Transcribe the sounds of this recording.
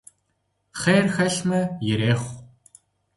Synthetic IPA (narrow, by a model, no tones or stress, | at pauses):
χeːrxɐɬmɐjɪɾeːχʷ